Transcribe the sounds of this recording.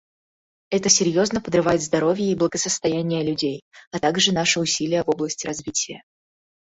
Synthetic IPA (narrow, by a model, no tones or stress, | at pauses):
ɛt̪əsʲɪɾʲjo̞znəpəd̪rɨvajɪt̪zd̪ɐɾo̞vʲjəiblˠəɡəsəst̪ɐjænʲɪjəlʲʉdʲejɐt̪aɡʐɨnaʂɨʊsʲilʲɪjəvo̞blˠəsʲtʲɪɾɐzvʲitʲɪjə̰